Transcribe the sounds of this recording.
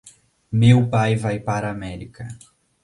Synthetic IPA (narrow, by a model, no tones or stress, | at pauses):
mewpajvajpaɾɐːmɛɾikɐ